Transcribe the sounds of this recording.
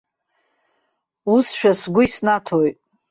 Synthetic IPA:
usʃᶣasɡʷʊisnatʰojtʼ

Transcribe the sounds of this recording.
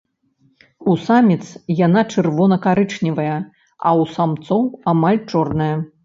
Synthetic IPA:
usamʲit̪sjanat͡ʂɨrvɔnɐkaɾɨt͡ʂnʲivɐjɐ | ɐ̰wsamt̪sɔwamalʲt͡ʂɔrnɐjɐ

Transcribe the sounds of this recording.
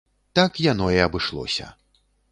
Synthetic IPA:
t̪akjanɔiɐbɨʂlˠɔ̰sʲɐ̰

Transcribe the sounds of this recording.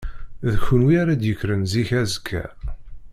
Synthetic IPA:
ðçunwiaɾæd̪jəkːɾənziçæzəkʰːæ̰

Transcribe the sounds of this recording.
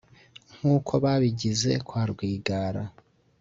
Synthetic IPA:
ŋ̥huːkʰo̞βaβiɟize̞kwaːɾɡwiːɡaːɾa

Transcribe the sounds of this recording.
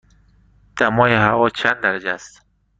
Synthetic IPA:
d̪̥æmɒːjehævɒːt͡ʃʰænd̪æɾæd͡ʒeæst̪

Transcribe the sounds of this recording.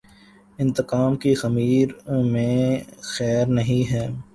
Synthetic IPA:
ɪ̃nt̪əqaːmkixɐmiːɾmẽxɛːɾnɐɦĩɦɛː

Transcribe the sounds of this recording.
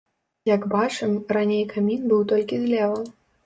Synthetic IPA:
jaɡbat͡ʂɨmranʲejkamʲinbɨwt̪ɔlʲkʲizlʲɛvɐn

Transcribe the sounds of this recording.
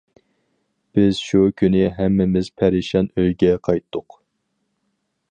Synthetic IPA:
b̥ɪz̥ʃukʲʰynɪɦɛmːɪmɪz̥pʰæɾɪʃɑnøjɡʲɛqʰɑjt̪ʰːʊq

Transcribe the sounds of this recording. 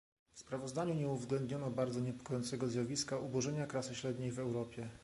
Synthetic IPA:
fspɾavɔzd̪aɲuɲɛuvzɡlɛnd̪ɲɔnɔbaɾd̪zɔɲɛpɔ̥kɔjɔnt̪sɛɡɔzjavʲiskaʔubɔʐɛɲakɾasɘɕɾɛd̪ɲejvɛwɾɔpʲjɛ

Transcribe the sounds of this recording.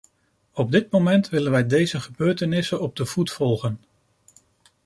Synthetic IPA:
ɔb̚dɪtmomɛntʋɪlənʋɛjdejzəχəbøːɹtənɪsənɔb̚dəv̥utfɔlˠχən

